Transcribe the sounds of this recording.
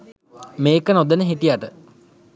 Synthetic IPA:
meːkənod̪ənəɦiʈijaʈə

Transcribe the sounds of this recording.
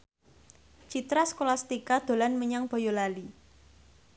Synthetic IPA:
t͡ʃit̪ɾaskolast̪ikad̪̥o̤lanməɲaŋb̥ɔ̤jolali

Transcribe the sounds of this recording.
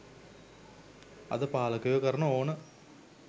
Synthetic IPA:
ɐ̰ðɨpaːlɐkːujokɐɾɐɳɐoːɳɨ

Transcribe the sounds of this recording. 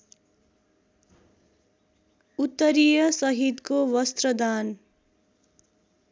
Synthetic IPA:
ut̪ːʌɾijʌsʌɦit̪kowʌst̪rʌd̪an

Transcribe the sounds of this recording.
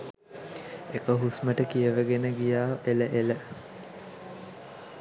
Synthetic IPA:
ekəɦusməʈəkijəʋəɡenəɡijaːeləʔelə

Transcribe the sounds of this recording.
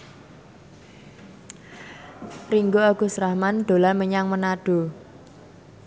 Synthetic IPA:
riŋɡoaɡ̥ṳsɾahmand̪̥o̤laməɲaŋmənaɖ̥o̤

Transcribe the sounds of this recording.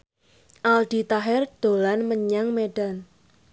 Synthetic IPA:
ʔald̥i̤t̪aɦɪrd̪̥o̤lanməɲaŋmeɖ̥an

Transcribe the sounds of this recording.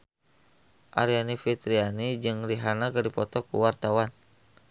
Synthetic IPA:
ʔaɾianifit̪ɾianid͡ʒɨŋriɦanakadipɔt̪ɔkṵwart̪awan

